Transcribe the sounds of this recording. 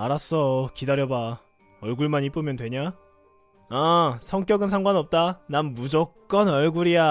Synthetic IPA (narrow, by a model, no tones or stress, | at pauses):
aɾas͈ʌkidaɾjʌba | ʌɭɡuɭmanip͈ɯmjʌndwe̞ɲa | asʰʌŋk͈jʌɡɯnsʰaŋɡwanʌp̚t͈anamːud͡ʑok̚k͈ʌnʌɭɡuɾija